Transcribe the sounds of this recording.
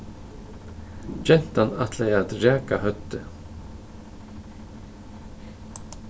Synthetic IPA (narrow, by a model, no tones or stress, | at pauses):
d͡ʒɛn̥t̪anat̪ʰlɛjat̪ɾaːkahœt̪ːə